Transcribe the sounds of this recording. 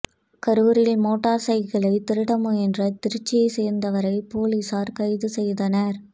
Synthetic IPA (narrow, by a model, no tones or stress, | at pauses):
kɐɾɯʋɯɾɪjɪlmoːʈːaːɾsɐɪɣɐɭɐɪt̪ɪɾɯɽɐmɯɛndrɐt̪ɪɾɯt͡ʃːɪjɐɪsɛːɾnd̪ɐʋɐɾɐɪpoːlisaːɾkɐjðɯsɛjðɐnɐɾ